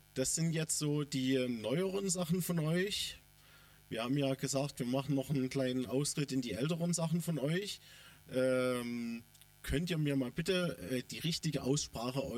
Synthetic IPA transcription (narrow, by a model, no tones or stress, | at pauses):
d̥asz̥ɪntjɛt͡stz̥oːdiːnɔʏəʁənzaχn̩fɔnʔɔʏç | viːɐhaːbm̩jaːɡəzaːk̚tv̥iːɐmaχn̩nɔχn̩nkl̥aɪnənʔaʊstʁ̥ɪtɪndiːʔɛltəʁənzaχn̩fɔnʔɔʏçʔɛːm | kʰœntiːɐmiːɐmaːlbɪtəʔɛːd̥iːʁɪçtɪɡəʔaʊsʃpʁ̥aːχəɔ